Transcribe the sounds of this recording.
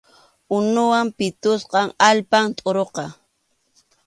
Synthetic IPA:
ʊnʊwampɪt̪ʊsqɑŋalpamt̪ʼoɾoqɑ

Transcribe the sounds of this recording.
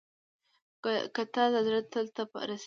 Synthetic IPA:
kat̪ɑzad̪ɾat̪ːəlt̪apə̰ɾas

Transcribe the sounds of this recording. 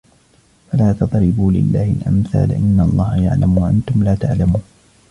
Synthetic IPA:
falaːt̪ɑt̪ˤɾɪbuːlɪ̰lːaːhɪlʔa̰mθa̰ːlʔɪnːalˤːɑːhaja̰ʕlamwaʔant̪ʊmlaːt̪aʕlamuːn

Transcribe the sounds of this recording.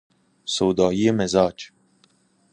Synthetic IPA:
sowd̪ɑːjijemezɑːt͡ʃ

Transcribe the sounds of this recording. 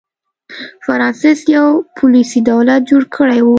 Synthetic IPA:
faɾɑnsɪsjawpʰʊlisid̪awlat̪̚d͡ʒoɽkʰəɽajwu

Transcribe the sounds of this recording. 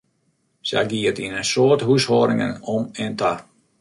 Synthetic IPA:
sa̰ɡiətinensoːthushɔːɾɪŋə̰nɔmɛntʰa

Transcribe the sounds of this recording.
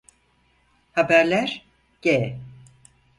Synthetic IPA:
habæɾlʲæɾ̥ | ɟ̥e

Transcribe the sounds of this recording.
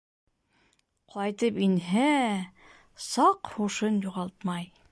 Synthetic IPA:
qʰɑjt̪ɤpinɦæ | sɑqhuʃɤnjuʁɑlˠt̪mɑj

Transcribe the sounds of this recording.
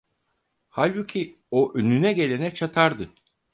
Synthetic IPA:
halʲbucʰi | oʔønynɛɟe̞lʲe̞nɛt͡ʃʰat̪ʰaɾd̪ɯ

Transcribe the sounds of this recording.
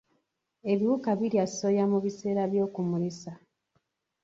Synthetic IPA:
e̞βiwukaβiljaso̞jamuβise̞ːɾaβjo̞ːkumulisa

